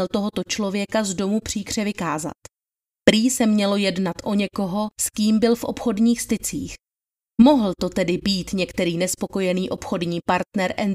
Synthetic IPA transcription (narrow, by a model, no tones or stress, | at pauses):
lt̪o̞ɦo̞t̪o̞t͡ʃlo̞vjɛkazdo̞mupr̝̥iːkr̥ɛvɪkaːza̰t̪ | pɾiːsɛmɲɛlo̞jɛdnat̪ʔo̞ɲɛko̞ɦo̞skiːmbɪlfʔo̞̰pxo̞dɲiːxst̪ɪt͡sḭːx | mo̞ɦl̩t̪o̞t̪ɛdɪbiːt̪ɲɛkt̪ɛɾiːnɛspo̞ko̞jɛniːʔo̞pxo̞dɲiːpaɾt̪nɛɾʔɛn